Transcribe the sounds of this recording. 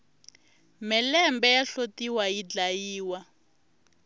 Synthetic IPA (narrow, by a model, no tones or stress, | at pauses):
mɛlɛmbɛjaɬotiwajid͡ɮajiːwa